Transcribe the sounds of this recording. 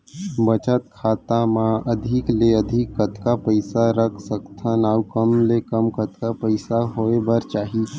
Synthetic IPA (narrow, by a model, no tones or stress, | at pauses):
bət͡ʃət̪kʰaːt̪amãəd̪ʱɪkleəd̪ʱɪkːət̪kapəɪsaɾəkʰsəkt̪ʰanaːwkəmlekəmkət̪kapəɪsaɦoebəɾt͡ʃaːɦi